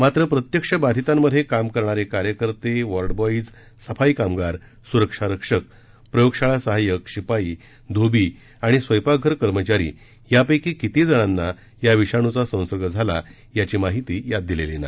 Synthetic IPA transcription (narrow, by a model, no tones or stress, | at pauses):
mat̪ɾəpɾət̪jəkʂəbad̪ʱit̪amːəd̪ʱːekamkəɾɳ̃aɾjekaɾjəkəɾt̪eʋəɾɖbɔid͡z | səfaikamɡaɾ | suɾəkʂaɾəkʂək̚ | pɾəjokʂaɭasəɦajəkɕipaiː | d̪ʱobi | aɽ̃isʋəjpaɡʱəɾkəɾmət͡ɕaɾḭː | japəjkikit̪id͡zəɽ̃anːa | jaʋiɕaɽ̃ut͡sasə̃w̃səɾɡəd͡zʱala | jat͡ɕimaɦit̪iːjad̪̚ːilelena̰